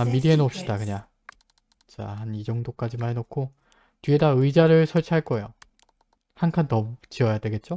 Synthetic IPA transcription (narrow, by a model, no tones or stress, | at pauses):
miɾienʌp̚ɕ͈idakɯɲaŋ | t͡ɕahanid͡ʑʌŋdok͈ad͡ʑimaɦenokʰo | tɥie̞daɯid͡ʑaɾɯɭsʰʌɭt͡ɕʰiɦaɭk͈ʌejo | hankʰantʌmut͡ɕiʌjadwe̞ɡe̞t̚t͡ɕ͈o